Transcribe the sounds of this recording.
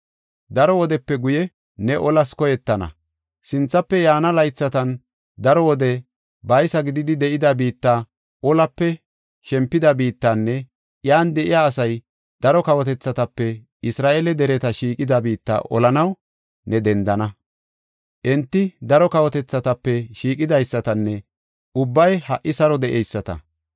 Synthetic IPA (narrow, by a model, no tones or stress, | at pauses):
d̪ɐɾɔwɔd̪ɛpːɛɡʊjɛː | ɛʔɔlɐskɔjɛt̪ːɐnɐ̰ | sɪnt͡sːɐpːɛjaːnɐlɐjt͡sːɐt̪ɐn | d̪ɐɾɔwɔd̪ɛ | bɐjsɐɡɪd̪ɪd̪ɪd̪ɛʔɪd̪ɐbiːt̪ːaː | ʔɔlɐpːɛ | ʃɛmpːɪd̪ɐbiːt̪ːanːɛ | jaːnd̪ɛʔɪjaːsɐj | d̪̥ɐɾɔkɐwɔt̪ɛt͡sːɐt̪ɐpːɛ | ɪsɾaːʔelɛd̪ɛɾɛt̪ɐʃiːkʼɪd̪ɐbiːt̪ːa̰ːʔɔ̰lɐnɐw | nɛd̪ɛnd̪ɐnɐ | ʔɛnt̪ːɪd̪ɐɾɔkɐwɔt̪ɛt͡sːɐt̪ɐpːɛʃiːkʼɪd̪ɐjsːɐt̪ɐnːɛ | ʔʊbːɐjhɐʔːɪsɐɾɔd̪ɛʔɛjsːɐt̪ɐ̰